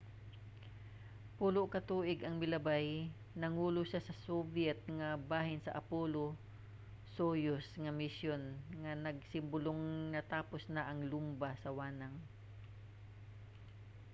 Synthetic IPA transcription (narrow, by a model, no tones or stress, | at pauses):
puːloʔkɐt̪uːʔɪɡɐŋmɪlɐbaj | nɐŋuːlʊʃasɐsobjɛt̪̚ŋɐbaːhɪnsɐ̰ʔɐpoːlo | soːjosŋɐmɪsjonŋɐnɐɡ̚sɪmbʊloŋnɐt̪aːposnɐʔɐŋlʊmbasɐwaːnɐŋ